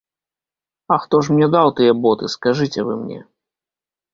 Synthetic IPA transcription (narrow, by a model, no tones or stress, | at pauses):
ɐxt̪ɔʂ̬mnʲɛd̪awt̪ɨjɛbɔt̪ɨskaʐɨt͡sʲɛvɨ̰mnʲɛ̰